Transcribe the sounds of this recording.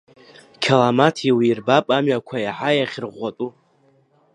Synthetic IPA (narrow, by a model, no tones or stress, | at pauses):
kʲʰalamatʰiwiirbapʼamɥakʷʰaiħajaχʲrʁʷatʼu